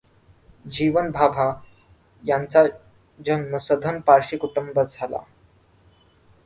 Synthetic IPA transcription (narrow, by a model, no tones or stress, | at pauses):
d͡ʑiʋənbʱabʱa | jãnt͡sa | d͡ʑənməsəd̪ʱənpaɾʂikuʈumbəd͡zʱala̰